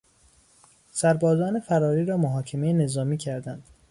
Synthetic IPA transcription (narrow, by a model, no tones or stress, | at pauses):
sæɾbɒːzɒːnefæɾɒːɾiːɾɒːmoɦɒːcʰemejene̞zɒːmiːcʰæɾd̪ænd̪̥